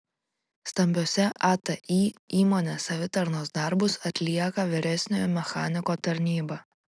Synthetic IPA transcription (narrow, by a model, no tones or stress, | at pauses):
st̪ɐmʲbʲoɔsʲɛʔɐt̪ɐʔiːiːmoːnʲeːsɐʋʲɪt̪ɐɾnoːsd̪ɐˑɾbʊsɐt̪ʲlʲiɛkɐʋʲɪɾʲɛsʲnʲoːjmʲɛxaːnʲɪkoːt̪ɐɾʲnʲiːbɐ